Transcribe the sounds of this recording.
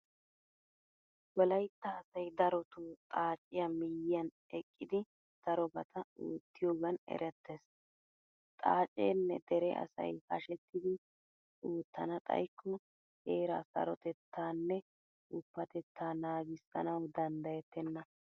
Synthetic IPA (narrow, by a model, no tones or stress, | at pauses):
wɔlɐjt̪ːɐːsɐjd̪ɐɾɔt̪uːt̪ʼaːt͡ʃʼːɪjamɪjːɪjɐn | ɛkʼːɪd̪ɪ | sɐɾɔbɐt̪ʰɐuːt̪ːɪjoːɡɐnɛ̰ɾʔɛt̪ːes | t̪ʼaːt͡ʃʼːḛːnːɛd̪ɛɾɛʔɐ̰sɐ̰jhɐʃɛt̪ːɪd̪ɪ | uːt̪ːɐnɐt̪ʼɐ̰jkʰːɔ | heːɾaːsɐ̰ɾɔt̪ɛt̪ːaːnːɛ | ʔʊpːɐt̪ɛt̪ʰːaːnaːɡɪsɐ̰nɐwd̪ɐnd̪ɐjɛt̪ːɛnːɐ